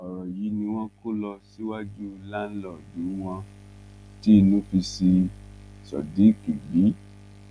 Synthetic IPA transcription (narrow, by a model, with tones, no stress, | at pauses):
ɔ˨ɾɔ˨ji˨˦nĩ˧w̃ɔ̃˦ko˦lɔ˧si˦wa˦d͡ʒu˦la˦lɔ˦˨dũ˨˦w̃ɔ̃˧ | ti˦e˦˧nũ˨˦fi˧si˧ | sɔ̰˨di˨˦ki˨bi˨˦